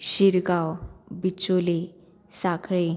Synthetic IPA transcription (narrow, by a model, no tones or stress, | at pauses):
ɕiɾɡawbit͡sole | sakʰɭe